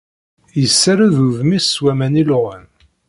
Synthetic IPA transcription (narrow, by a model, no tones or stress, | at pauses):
jəsːaɾaðuðmiswæmænilʁən